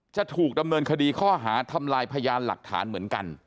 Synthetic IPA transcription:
t͡ɕa˨˩t̪ʰuː˨˩k̚da˧mnɤː˧nkʰa˧diː˧kʰɔː˥˩ɦaː˩˦t̪ʰa˧mlaː˧jpʰa˧jaː˧nla̰˨˩k̚t̪ʰa̰ː˩˦nmɯ˩˦ənka̰˧n

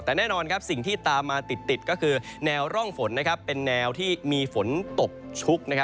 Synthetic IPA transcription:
t̪ɛː˨˩nɛː˥˩nɔː˧nkʰa˦˥p̚si˨˩ŋt̪ʰiː˥˩t̪aː˧mːaː˧t̪i˨˩t̪ːi˨˩t̪̚kɔː˥˩kʰɯː˧nɛː˧wɾɔ˥˩ŋfo˩˦nːa˦˥kʰa˦˥pːe˧nːɛː˧wt̪ʰiː˥˩miː˧fo˩˦nt̪o˨˩k̚t͡ɕʰu˦˥k̚na˦˥kʰa˦

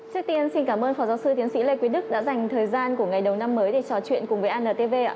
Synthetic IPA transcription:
t͡ɕi˦˥ək̚t̪i˧ənsi˧nkaː˧˩mʔəː˧nfɔː˨˦zaː˨˦wsɨ˧t̪i˨˦ənsḭ˧˥le˧kwi˨˦ɗɨ˦˥k̚ɗa̰ː˧˥za˨˩jŋ̟t̪ʰəː˨˩jzaː˧nku˧˩əŋa˨˩jɗə˨˩wna˧mːəː˨˦jɗe˧˨˩t͡ɕɔ˨˩t͡ɕwḭ˧˨ənkʊ˨˩ŋ͡mvəː˨˦ʔaː˧nːəː˨˩t̪e˧ve˧˦

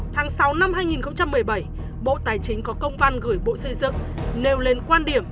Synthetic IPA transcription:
t̪ʰaː˨˦ŋsa˨˦wna˧mhɦaː˧jŋi˨˩nxə˧wŋ͡mt͡ɕa˧mːɨ˨˩əjɓə˧˩j | ɓo̰˧˨t̪aː˨˩jt͡ɕï˨˦ŋ̟kɔ˨˦kə˧wŋ͡mva˧nɣɨ˧˩əjɓo̰˧˨sə˧˩jzɨ̰˧˨ŋne˨˩wle˨˩nkwaː˧nɗi˧˩əm

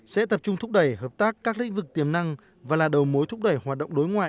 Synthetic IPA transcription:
sɛ̰˧˥t̪ə˨˩p̚t͡ɕʊ˧ŋ͡mt̪ʰʊ˦˥k͡p̚ɗə˨˩jhəː˨˩p̚t̪aː˦˥kːaː˦˥k̚lḭ˧˥ŋ̟vɨ˨˩k̚t̪i˨˩əmna˧ŋ | vaː˨˩laː˨˩ɗə˨˩wmo˨˦jt̪ʰʊ˦˥k͡p̚ɗə˨˩jhwaː˨˩t̚ɗə̰˧˨wŋ͡mɗo˨˦jŋwa̰ː˧˨j

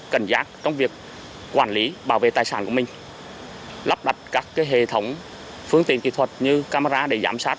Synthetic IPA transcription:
kə˨˧˩ŋ̟zaː˦˥k̚t͡ɕɔ˧wŋ͡mvi˨˩ək̚ː | waː˧˩nli˨˦ɓaː˧˩wvḛ˧˨t̪aː˨˩jsaː˧˩ku˧˩əmï˨˩ŋ̟ | la˦˥p̚ɗa˨˩jt̚kaː˦˥kːaː˨˦jɦḛ˧˨t̪ʰə˨˦wŋ͡m | fɨ˧əŋt̪ḭ˧˨ənkḭ˧˨t̪ʰwə˨˩t̚ɲɨ˧kaː˧maː˧zaː˧ɗe˧˩za̰ː˧˩msaː˦˥t̚

